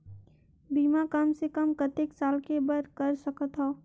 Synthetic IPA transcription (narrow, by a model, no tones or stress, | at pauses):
biːmakɐmsekəmkət̪eksaːlkebəɾkɐɾsɐkət̪ɦoː